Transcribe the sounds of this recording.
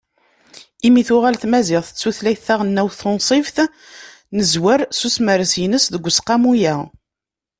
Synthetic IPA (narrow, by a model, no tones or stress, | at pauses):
imiθʊʁælθmæzɪʁθə̥t͡sːuθlæjθæʁənːæwθonsˤifθ | nəzwəɾsusməɾəsjənəsðəɡʷːsqɑmujæ